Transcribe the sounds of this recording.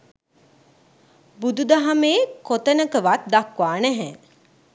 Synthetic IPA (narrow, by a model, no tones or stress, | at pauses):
bud̪ud̪aɦameːkot̪ənəkəʋat̪̚d̪akʋaːnɛɦɛ̃